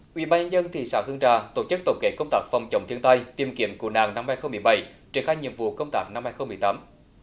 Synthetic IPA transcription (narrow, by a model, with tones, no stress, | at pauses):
ʔwḭ˧˥ɓaː˧nɲə˧nzə˧nt̪ʰḭ˧˨sa̰ː˧˥hɨ˧əŋt͡ɕa̰ː˧˨˩t̪o˧˩t͡ɕɨ˦˥k̚t̪ə̰˧˩wŋ͡mkḛ˧˥kə˧wŋ͡mt̪aː˦˥k̚fa˨˩wŋ͡mt͡ɕə˨˧˩wŋ͡mt̪ʰi˧əŋt̪a˧jt̪i˧˩əmkḭ˧˥əmku˧˩əna̰ː˧˨˩ŋna˧mhaː˧jxə˧wŋ͡mmɨ˨˩əjɓə˧˩jt͡ɕi˧˩əŋxaː˧jɲḭ˧˨əmvṵ˧˨kə˧wŋ͡mt̪aː˦˥k̚na˧mhaː˧jxə˧wŋ͡mmɨ˨˩əjt̪aː˨˦m